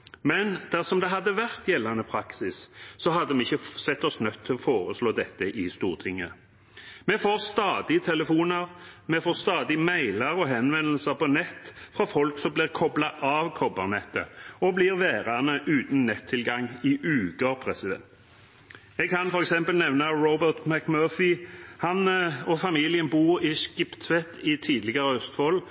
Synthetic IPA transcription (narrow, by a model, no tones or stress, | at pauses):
mɛnd̪̥æʁsɔmd̪ɛɦɑd̪ːəʋæʁt̪jɛlːɑnəpʰɾɑksɪssɔɦɑd̪ːəmɛɪçəsɛt̪ːɔsnœt̪ʰːɪɔfoːʁəsloːd̪ɛt̪ːəʔɪst̪uːʁt̪ʰɪŋːə | mɛfoːʁst̪ɑːd̪ɪt̪ʰɛləfuːnəʁmɛfoːʁst̪ɑːd̪ɪmæɪləɾɔɦɛnʋɛnl̩səʁpɔnɛt̪ːfʁɑfɔlksɔmblɪːʁkʰɔblɑʔɑʋkʰɔbə̰ʁnɛt̪ːə̰ɔbliːʁʋeːʁɑnəʔʉːt̪n̩nɛt̪ʰːɪlɡɑŋɪʔʉːkəpʰɾɛsɪd̪ɛ̰nt̪ | ɛɡ̚kʰɑnfɔɾɛksɛmpəlnɛʋnɑɾɔbəʁt̪mækmøːfɪhɑnɔfɑmiːlɪənbuːʁɪskɪpt̪ʰʋɛt̪ːɪt̪ʰiːd̪lɪɡəʁəœst̪hɔl